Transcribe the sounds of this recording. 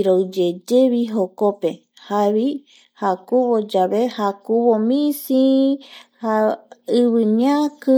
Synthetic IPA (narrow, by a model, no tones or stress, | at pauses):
ɾowd͡ʒed͡ʒeβiɦokope | haβi | hakuβod͡ʒaβehakuβomĩsi | haɨβɨɲakɨ